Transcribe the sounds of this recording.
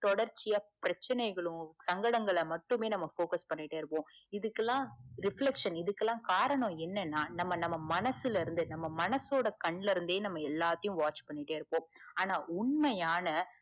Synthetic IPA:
t̪ɔɽɐɾt͡ʃːɪjapɪɾɐt͡ʃːɐnɐɪɣɐɭʊ̃sɐŋɡɐɽɐŋɡɐɭmɐʈːɯmeːnɐmːɐfoːkɐspɐɳːɪʈːeːɪɾɯpːõːɪðɯkːɛlːãːɾɪfɭɛkʂɐnɪðɯkːɛlːãːkaːɾɐɳõɛnːɛnːaːnɐmːɐnɐmːɐmɐnɐsɪlɪɾɯnd̪ɯnɐmːɐmɐnɐsoːɽɐkɐɳːɪlɪɾɯnd̪eːnɐmːɐɛlːaːt̪ːɐjʊ̃ʋaːt͡ʃpɐɳːɪʈːeːɪɾɯpːõːaːnaːʊɳmɐjaːnɐ

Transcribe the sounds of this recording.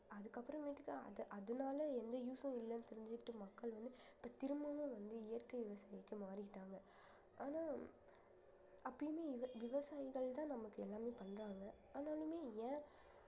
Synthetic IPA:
ɐðɯkːɐpːɯɾɐ̃ʋeːʈːɯkːaɐ̰ðɐʔɐðɐnaːlɐɛnd̪ɐjuːsõɪlːɐnɯt̪ɛɾɪɲd͡ʒɪkɪʈːɯmɐkːɐɭʋɐnd̪ɯ | ɪpːɐːt̪ɪɾɯmbɐmẽːʋɐnd̪ɯɪjɐɾkɐʋɪʋɐsaːjɪkːɯmaːɾɪkɪʈːaːŋɡɐ | ʔaːnaː | ʔɐpːɐjmeːɪʋɐʋɪʋɐsaːjɪɣɐɭt̪ãːnɐmɐkːɯɛlːaːmeːpɐɳːɾaːŋɡɐ | aːnaːlɯmeːjɛ̃ː

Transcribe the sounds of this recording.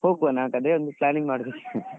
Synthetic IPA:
hoːɡuanaːkɐd̪ɾeɔnd̪uplaːniŋɡmaːɽd̪ek

